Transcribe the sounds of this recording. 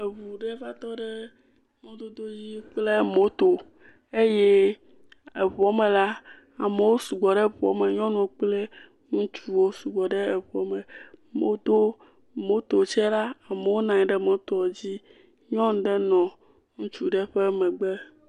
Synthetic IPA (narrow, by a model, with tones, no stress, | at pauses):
e˨βu˨ɖe˦va˦t̪ɔ˦ɖe˦ | mõ˦d̪o˦d̪o˦ji˦k͡ple˦mo˨˦t̪o˨ | e˦je˦ | e˨βɔ˨˦me˨la˦ | a˨me˨wo˦su˨ɡ͡bɔ˨ɖe˦˨βɔ̰˨˦me˨ɲɔ̃˦nũ˨˦wo˦k͡ple˦ | ŋũ˦t͡ʃu˦wo˦su˨ɡ͡bɔ˨ɖe˦e˨βɔ˦mẽ˨mo˦d̪o˦ | mo˦t̪o˨t͡ʃɛ˦la˦a˨me˨wo˦nã˨ɲĩ˨˦ɖɛ˦mo˦t̪ɔ˨d͡ʑi˦ | ɲɔ̃˦ŋ˦ɖe˦nɔ̃˨ | ŋũ˦t͡ʃu˦ɖɛ˦ɸe˦mɛ̃˨ɡ͡be˦